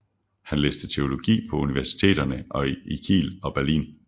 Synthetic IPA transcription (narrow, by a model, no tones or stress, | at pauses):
hænlḛːsd̥ət͡sʰe̝o̝lo̝ɡ̥ḭːpʰɒ̽uniʋæɐsi̥t͡sʰe̝̰ːdɐnəʔɒ̽ikʰḭːlɒ̽b̥æɐlḭːn